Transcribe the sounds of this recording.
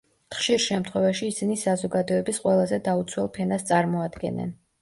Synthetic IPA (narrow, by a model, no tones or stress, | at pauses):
t̪χʃiɾʃɛmt̪ʰχwɛvaʃiːsinisazɔɡad̪ɔɛbisqʼwɛlˠazɛd̪aut̪sʰwɛlˠpʰɛnast̪sʼaɾmɔad̪ɡɛ̰nɛ̰n